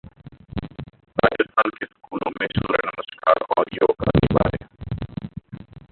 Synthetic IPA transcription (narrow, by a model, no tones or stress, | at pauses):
ɾaːd͡ʒət̪fəlkesɐ̥kuːlõmẽsuːɾenɐməskaːɾɔːɾjoːka̰niʋaːɾe